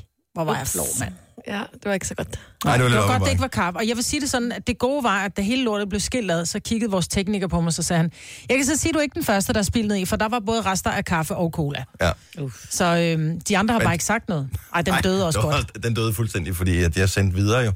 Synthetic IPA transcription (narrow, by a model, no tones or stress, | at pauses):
ʋɒʋɑ̈jaflɔ̰mæn̰ | æd̥e̝ʋɑeɡ̥sɒɡ̥ɔd̥dɡɒd̥eeɡəʋɑ̈kʰɑfɒ̽jɑ̈ɪʋe̝siːd̥e̝sɒ̽d̥n̩æ̥e̝ɡ̥o̝ːʋɑ̈æd̥æɦe̝ːləlo̝ɐ̰d̩ˠble̝ʊsɡ̥e̝l̰ɛð̩ˠsɒ̽kʰiɡ̥əð̩ˠʋɒːst͡sʰeɡ̥niɡ̥ɐpʰɒ̽mɑ̈ɪsɒ̽sɛːhænjɑ̈ɪkʰæs̬ɒ̽siːd̥ue̝ɡ̥əd̥enfɶɐsd̥əɾ̥ɑæɐsb̥ilneð̩ˠifɒ̽d̥ɑ̈ʋɑ̈b̥ɔ̽ːð̞̩ˠʁasd̥ɐʔækʰɑ̈fəʔɒʊkʰo̝ːlæ | sɒ̽ømd̥iɑ̈nd̥ʁɐhbbɑ̈ːe̝ɡ̥sɑ̈ɡ̥d̥nɔ̽ːð̞̩ˠɑ̈ɪ̰d̥end̥øːðˠɒsɡ̥ɒ̽dd̥end̥øːð̞̩ˠfulsd̥en̰d̥ifɒd̥ḭːæ̥iɐsen̰d̥ʋið̞ˠɐːjo̝